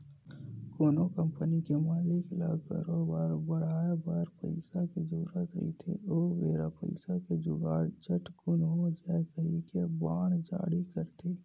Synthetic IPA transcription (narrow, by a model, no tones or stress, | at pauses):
koːnokə̃mpənikemaːlɪklə̰ɡkə̰ɾobaːɾbəɽ̤aːbaːɾpə̰ɪsakezuːɾət̪ɾə̰it̪ʰḛoːʋeːɾapə̰ɪsaked͡ʒʊɡaːɽt͡ʃəʈkʊnɦod͡ʒaːekəɦikebaːɽ̃d͡ʒa̰ːɽikəɾt̪ʰeː